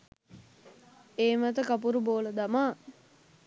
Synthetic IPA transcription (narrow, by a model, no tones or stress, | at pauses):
eːmət̪əkap̬uɾuboːləd̪amaː